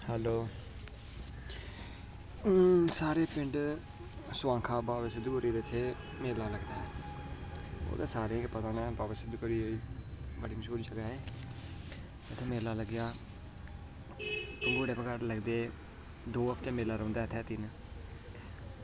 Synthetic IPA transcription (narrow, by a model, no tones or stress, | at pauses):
hɛːloː | saːɾeːpɪɳɖ | sʊãːŋkʰaːbaːʋsɪd̪ukəɾiːd̪eɪt̪ʰːeː | meːlaːləɡd̪aːɛː | o̰ːd̪a̰ːsaːɾeːkpət̪aːnɛːbaːbəsɪd̪ukəɾiːoiːbəɽiːməʃuːɾd͡ʒəɡaːɦeː | ɪt̪ʰːeːmeːlaːləɡjaː | pəɡoːɽeːpəɡaɾləɡd̪eː | d̪oːəkʰt̪ẽːmeːlaːɾə̃ːnd̪aɛːɪt̪ʰːɛːt̪ɪn